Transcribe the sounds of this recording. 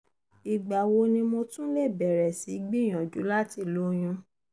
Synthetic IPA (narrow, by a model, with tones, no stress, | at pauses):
i˨ɡ͡ba˨wo˧nĩ˧mo˧tũ˦le˦˨bɛ˨ɾɛ˨si˨˦ɡ͡bi˦˨j̃ã˨d͡ʒu˨˦la˦ti˧˨lo˨˦j̃ũ˧